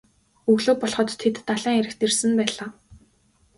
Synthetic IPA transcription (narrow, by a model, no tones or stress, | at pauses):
ɵɣɮoːpɔɮχɞ̆t̪ʰːet̪ːaɮæːŋeɾɘ̆xt̪ersɘ̆mpæːɮaː